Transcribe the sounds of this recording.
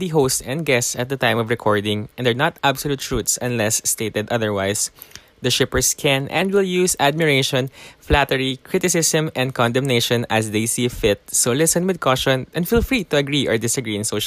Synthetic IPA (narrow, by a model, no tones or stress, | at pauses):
d̪iɦoʊstɛ̃nd̪̚ɡɛstsɐt̪̚d̪ɐt̪ãj̃mɔvɹɛkʰɔɹd̪ɪ̃ŋɛ̃nd̪ɛɹnat̪absɔlut̪ɹut̪sɐ̃nlɛsːt̪eɪt̪ɛd̪ʌðəɹwajs | d̪ɐʃɪpəɹskʰɛ̃nʔɛ̰̃nd̪wɪljuːsad̪̚mɪɹeɪʃɔ̃nflat̪ɛɹikʰɹɪt̪ɪsɪsə̃mɛ̃nd̪̚kɔ̃nd̪ɛ̃mneʃɔ̃nɐsd̪ejsifɪt̪̚solɪsɛ̃nwɪd̪̚kʰɔʃɔ̃nʔɛ̃nd̪filfɹit̪ʊɐɡɹiʔɔ̰ɹd̪ɪsɐɡɹiːɪ̃ŋsoʃ